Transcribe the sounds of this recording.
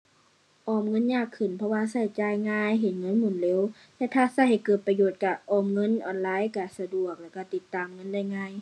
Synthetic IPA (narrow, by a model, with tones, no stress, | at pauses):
ʔɔː˧˩mŋɤ˧˥˨nɲaː˧˩kʰːɯ˨˩npʰɔ˧waː˧sa˧˩jt͡ɕaː˧˩jŋaː˧˥˨jɦe˨˦nŋɤ˧˥˨nmu˧˩˨nleː˧˨w | t̪ɛː˧˥t̪ʰaː˧˩sa˧˩jha˨˩jkɤː˨˩t̪̚pa˧joː˨˩t̪̚kaː˨˩ʔɔː˧˩mŋɤ˧˥˨nʔɔː˨˩nlaː˧˥˨jkaː˨˩sa˧du˨˩ək̚lɛː˧˨wka˧˩t̪i˧˩t̪ːaː˨mŋɤ˧˥˨nda˧˩jŋaː˧˥˨j